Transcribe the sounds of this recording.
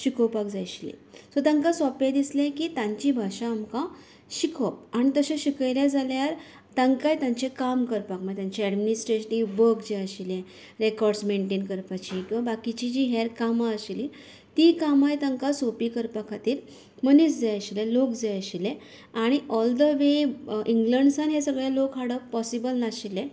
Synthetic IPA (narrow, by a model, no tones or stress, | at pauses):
ɕikʰəpakd͡zajɕlḛ̃sɔt̪ãŋkasɔpẽd̪islẽkiːt̪ãɲt͡ɕibʱaɕãːmkã | ɕikʰəp̚aɽ̃it̪əɕẽɕikəjljad͡zaljaɾ | t̪ãŋkajt̪ãɲt͡ɕekamkəɾpakmaet̪ãɲt͡ɕeɛɖminisʈɾeɕʈiʋəkd͡ʑeəɕilẽ | ɾekɔɾɖsmeɳʈenkəɾpat͡ɕikĩw̃ʋabakit͡ɕid͡ʑiːɦɛɾkamaəɕili | t̪ikamajt̪ãŋkasopikəɾpakʰat̪iːɾ | mənisd͡zajəɕilelokd͡zajəɕile | aɽ̃iʔɔld̪əʋeʔiŋɡləɳɖsanɦesəɡɭjalokɦaɽəpɔsibəlnaɕilẽ